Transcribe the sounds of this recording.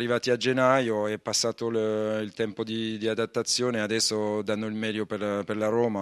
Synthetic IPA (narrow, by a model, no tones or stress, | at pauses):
rːivaːt̪iad͡ʒenːajoɛpːasːaːt̪olilt̪ɛmpod̪id̪iad̪at̪ːat̪sːjoːnead̪ɛsːod̪anːoilmɛːd̪joperperlaɾɔːma